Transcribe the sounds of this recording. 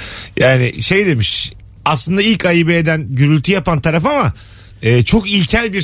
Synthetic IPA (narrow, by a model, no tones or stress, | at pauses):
jaːnɪʃe̞jd̪e̞miʃ | aslˠɯnd̪ailʲcʰajɯbejed̪ænɟyɾylʲt̪ʰyjapant̪ʰaɾafama | ɯːt͡ʃʰo̞kilʲcʰælʲbiɾ